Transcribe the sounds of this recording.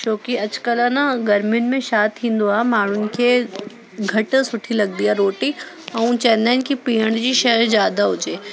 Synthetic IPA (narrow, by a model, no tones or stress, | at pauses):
t͡ʃoːkiɐt͡ʃkəlanaɡɐɾmʊnmẽʃaːt̪ʰĩnd̪oaːmaːɽʊnke | ɡʱɐʈsʊʈʰilɐɡ̚d̪ijaɾoːʈi | ɐũt͡ʃɛːnaːnkipiːəɳd͡ʒiʃɐɦɾd͡ʒjaːd̪aɦod͡ʒeː